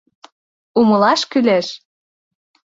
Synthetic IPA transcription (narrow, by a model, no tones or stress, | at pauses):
umɤ̆lɑʃkyleʃ